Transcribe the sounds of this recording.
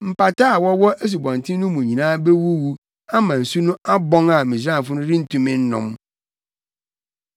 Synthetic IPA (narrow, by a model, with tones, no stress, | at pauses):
m̩˨pa˨ta˦a˨wɔ˦wɔ˦ʔe˦s̬u˨bɔ̃˨n˨tʰɪ̃˦nʊ̃˦mũ˨ɲĩ˨nãː˦be˦wu˦wu˦ | a˦mã˨n̩˨su˦nʊ̃˦a˦bɔ̃˦ŋã˨mĩ˨s̬ã˦˨fʊ˦nʊ̃˦ɾĩ˦n̩˦tʰũ˦mɪ̃˦n̩˦nɔ̰̃˨m